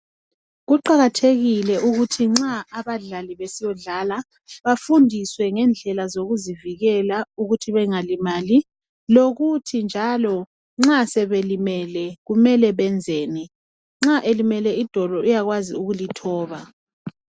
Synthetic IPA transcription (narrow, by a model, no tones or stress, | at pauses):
ɣuǃaɣatʰeɣilɛʔuɣutʰiŋ͡ǁaːβaɮaliβesijɔɮala | βafundʱiswɛŋɛnd͡ɮʱɛlazoɣuziviɣɛlauɣutʰiβɛŋalimaːli | loɣutʰind͡ʒʱalɔ | ŋ͡ǁasɛβelimɛlɛɣumɛlɛβɛnd͡zʱeːni | ŋ͡ǁaʔelimɛlɛid̥ʱɔlɔʔijaɣwaziuɣulitʰɔːβa